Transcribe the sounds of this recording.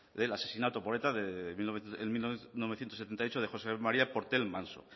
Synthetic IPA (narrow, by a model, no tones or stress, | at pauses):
d̪elase̞sinat̪opoet̪aðemioeemilnoβθjent̪oset̪ent̪ajot͡ʃoð̞exosemaɾiapo̞ɾt̪elmãnso̰